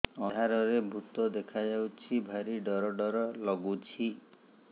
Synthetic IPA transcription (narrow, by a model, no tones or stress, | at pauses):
ɔaɾɔɾebʱut̪ɔd̪ekʰad͡ʒawt͡ʃʰibʱaɾiɖɔɾɔɖɔɾɔlɔɡut͡ʃʰi